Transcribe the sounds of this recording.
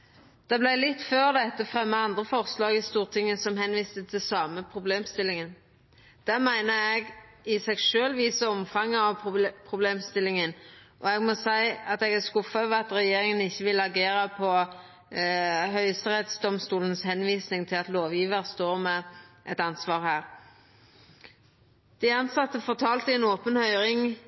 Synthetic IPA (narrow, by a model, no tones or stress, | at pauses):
d̪̥ɛblæɪlɪt̪ːføːʁd̪ɛt̪ːəfʁɛmːəɑnd̪ʁəfɔʁslɑːɡɪst̪uːʁt̪ʰɪŋːəsɔmhɛnʋiːst̪ət̪ʰɪlsɑːməpʰʁʊbleːmst̪ɪlːɪŋən | d̪̥æʁmæɪnəɛɡ | ɪsɛɡʃøːlʋiːsəɔmfɑŋːəɑʋpʰɾʊbleːmst̪ɪlːɪŋənʔɔɛɡmɔsæɪɑt̪ɛɡæskʊfɑʋɑt̪ɾɛjeːɾɪŋənɪçːəʋɪlɑɡeːɾəpʰɔ | ɦœʏəst̪əɾɛt̪sd̪ɔmst̪uːlənəshɛnʋiːsnɪŋt̪ʰɪlɑt̪loːʋjiːʋəɾst̪oːʁmɛʔɛt̪ɑnsʋɑːʁhæːɾ | d̪̥æɑnsɑt̪ːəfɔʁt̪ʰɑːlt̪ɪɛnoːpənhœʏɾɪŋ